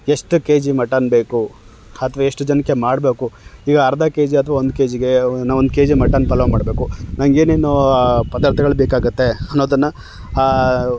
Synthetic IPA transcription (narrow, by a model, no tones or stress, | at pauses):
eʂʈukeːd͡ʒimɐʈɐnbeːku | ɐt̪ʰɐʋaeʂʈud͡ʒɐnɐkːe̞maːɽbe̞ːkuiːɡɐːɾd̪ʱakeːd͡ʒiɐt̪ʰʋaːond̪uke̞ːd͡ʒiɡenaond̪uke̞ːd͡ʒimɐʈːɐnːpɐlɐʋɐmaːɽbe̞ːkunɐŋɡe̞ːnenːopɐd̪aːɾt̪ʰɐɡɐɭubeːkaːɡut̪ːe̞ɐnːoːd̪ɐnːɐ